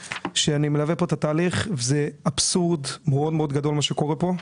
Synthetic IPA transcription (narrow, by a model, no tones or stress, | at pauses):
ʃeanimelavepo̞t̪at̪aːliχvezeabsuʁd̪meod̪meo̞d̪ɡad̪o̞lmaʃe̞ko̞ʁepo̞